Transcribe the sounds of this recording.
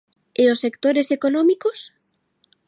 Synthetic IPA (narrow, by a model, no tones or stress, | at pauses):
eosekt̪oɾesekonomikos